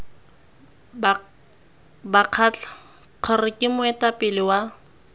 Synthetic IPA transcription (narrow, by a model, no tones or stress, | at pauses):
baq͡χʰat͡ɬḁ | q͡χʰɔrɪkʼɪmʊɛtʼapʼɪlɪwa